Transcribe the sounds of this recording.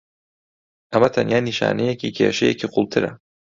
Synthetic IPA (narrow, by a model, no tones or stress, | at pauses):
ʔɐmɐt̪ʰɐnjaːniʃa̰ːnejeciːkʰeːʃejeciːqʰʊlˠt̪ʰɨɾɐ̰